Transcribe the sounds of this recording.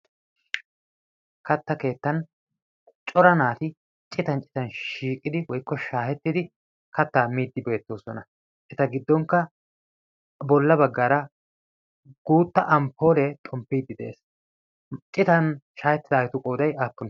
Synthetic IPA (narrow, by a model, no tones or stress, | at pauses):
kɐt̪ːɐke̞ːt̪ːɐn | t͡ʃʼɔɾɐnaːt̪ɪ | t͡ʃʼɪt̪ɐnt͡ʃʼɪ̥t̪ɐnʃiːkʼːɪd̪ɪwɔjkːɔʃaːhɛt̪ːɪd̪ɪ | kɐt̪ːaːmiːd̪ːɪbe̞ːt̪ːoːsɔnɐ | ʔɛt̪ɐɡɪd̪ːɔŋkːɐ | bɔlːɐbɐɡːaːɾɐ | ɡ̥uːt̪ːɐʔɐmpʰːo̞ːlɛt̪ʼɔmpːiːd̪ːɪd̪ɛḛːs | t͡ʃʼɪt̪ɐnʃaːhɛt̪ːɪd̪aːjɪt̪ʊkʼoːd̪ɐjaːpːʊn